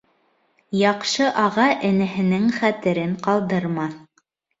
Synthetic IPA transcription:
jɑqʃɤʔɑʁɑʔɘ̆nɘ̆ɦɘ̆nɘŋχæt̪ɘ̆ɾɘɴqɑlˠd̪ɤɾmɑθ

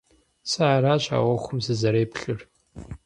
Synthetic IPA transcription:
saaːɾaːɕa̰ːwɔxʷʊmzɨzɐɾeːpɬɨr

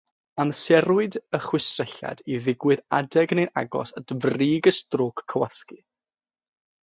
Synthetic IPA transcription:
amsɛɾwɨdəχwɪsrəɬa̰diðɪɡwɪðadɛɡnejna̰ɡɔ̰səd̥vriːɡəstroːkʰːəwaski

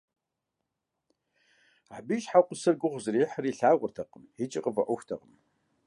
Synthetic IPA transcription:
aːbiʃħaqʷʼʊsɐrɡʷʊʁʷzɨriːħəriːɬaːʁʷʊ̰rtʰɐqəmit͡ʃʼɪqʼəvɐʔʷʊxʷtʰɐ̰qəm

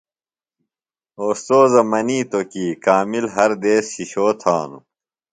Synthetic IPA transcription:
oːst̪oːzɐmɐniːt̪okiːkaːmilɦɐɾd̪eːsɕiɕoːt̪ʰa̰ːnṵ

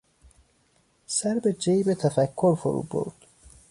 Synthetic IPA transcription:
sæɾbed͡ʒejbet̪ʰæfækʰːoɾfo̰ɾṵːbo̰ɾd̪̥

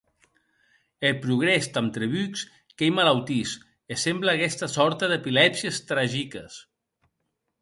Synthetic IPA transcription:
elpɾuɣ̞ɾest̪amt̪ɾeβyks | kejmalawt̪is | esembləːkɛst̪əsɔɾt̪əðepilɛbziəst̪ɾaʒikəs

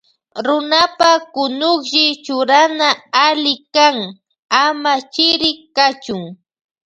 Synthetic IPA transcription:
ɾʊnapakʊnʊkʒɪt͡ʃʊɾanaalɪkaŋ | amat͡ʃɪɾɪkat͡ʃʊŋ

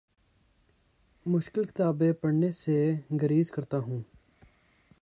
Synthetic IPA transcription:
mʊʃkɪlkɪ̥t̪aːbepəɽneseɡəɾiːzkɐɾt̪aɦũː

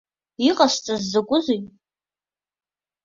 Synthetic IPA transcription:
iqʼast͡sʼazːakʷʼʊzijtʼ

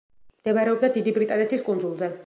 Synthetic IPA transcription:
md̪̥ɛvaɾɛɔb̚d̪ad̪id̪ibɾit̪ʼanɛt̪ʰiskʼund̪zulˠzɛ

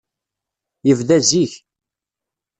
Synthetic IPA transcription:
jəvðæziç

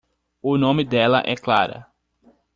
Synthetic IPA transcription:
ʊnõmɪd̪ɛlɐ̰ʔɛkla̰ɾɐ̰

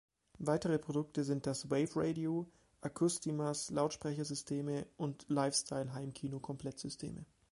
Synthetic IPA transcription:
vaɪtəʁəpʁ̥odʊk̚təzɪnt̚d̥asweɪfʁeɪdio | ʔakʰʊstimaslaʊtʃpʁ̥ɛçɐzʏstʰeːməʔʊntlaɪfstʰaɪlɦaɪmkʰiːnokʰɔmpl̥ɛtz̥ʏstʰḛːmʔə̰

